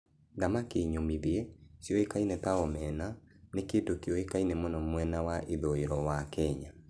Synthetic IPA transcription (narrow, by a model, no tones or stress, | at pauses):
ɡamakeɲomiðeɛsjɔekainɛtaɔmɛna | nekedokeɔekainɛmɔnɔmwɛnawaʔeðoeɾɔwakɛɲa